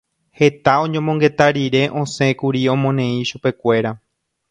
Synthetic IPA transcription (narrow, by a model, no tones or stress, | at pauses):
he̞t̪aõ̞ɲõmoŋɡe̞t̪aɾiɾe̞ʔõ̞sẽ̞kuɾiõ̞mõnẽ̞ĩʃupe̞kʷe̞ɾa